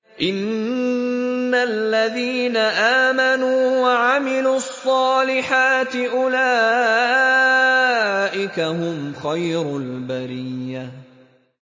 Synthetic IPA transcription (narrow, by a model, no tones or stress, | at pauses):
ʔɪn | alːaðiːnaʔaːmanuːwaʕamɪluːɑsˤːɑːlɪħaːt̪ɪʔʊlaː | ʔɪkaɦʊmxajɾʊlbaɾiːa